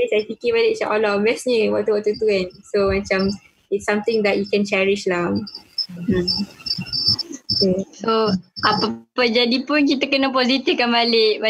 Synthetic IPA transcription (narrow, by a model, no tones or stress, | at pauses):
esajpikibaleʔt͡ʃaʔɔlɔbɛsɲiwɔt̚tːuwɔtːut̪uɛ̃nsomat͡ʃãm | itsːãmt̪ĩŋd̪ɛt̚jukɛ̃nt͡ʃɛɹiʃlaŋ̩ | kesoʔapapəd͡ʒadipunk̬it̪akənapɔzit̪ifkanbaleʔba